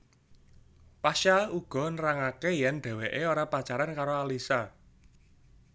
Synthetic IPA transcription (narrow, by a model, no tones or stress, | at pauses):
paʃauɡ̥ɔ̤nɾaŋakejɛnɖ̪̥ɛ̤weʔeoɾapat͡ʃaɾankaɾoalisa